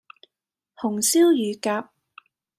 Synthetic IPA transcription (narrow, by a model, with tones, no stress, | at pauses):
hʊ˨˩ŋsiː˥wjyː˨kaː˧p̚